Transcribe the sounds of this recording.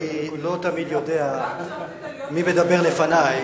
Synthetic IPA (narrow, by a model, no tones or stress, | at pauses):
ilot̪amid̪jod̪ea | mibed̪abeʁlefanaj